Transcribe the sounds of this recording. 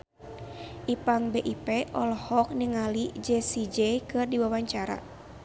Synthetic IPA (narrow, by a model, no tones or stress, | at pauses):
ʔipaŋbeʔipeʔɔlɔhɔk̚niŋalid͡ʒɛsid͡ʒɛkɨrdiwawaɲt͡ʃaɾa̰